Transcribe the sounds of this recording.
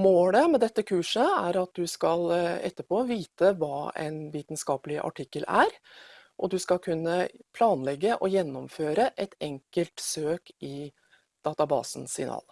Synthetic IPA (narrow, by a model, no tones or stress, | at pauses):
moːləmɛd̪ɛt̪ːəkʰʉːʂəæɾɑt̪̚d̪ʉskɑlɛ̰t̪ːəpʰoːʋiːt̪əʋɑːɛ̰ɪnʋiːt̪nskɑːpəlɪʔɑ̰ʈʰɪkːəlæɾʔɔd̪ʉskɑkʰʉnːəpʰlɑːnlɛɡːəʔɔjɛnːɔmføːɾəʔɛt̪ɛŋkəlt̪søːkɪ | d̪̥ɑːt̪ɑbɑ̰ːsn̩sɪ̰nɑ̰ːl